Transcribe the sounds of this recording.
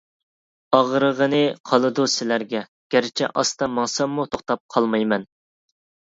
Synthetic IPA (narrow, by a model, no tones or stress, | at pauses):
ɑʁɾəʁənɨqʰɑlˠɨd̪usɪlæɾɡʲɛ | ɡ̥ʲæɾɪt͡ʃʰɛ̰ʔɑst̪ɑmɑŋsɑmːut̪ʰoχt̪ɑp̚qʰɑlˠmɑjmɛn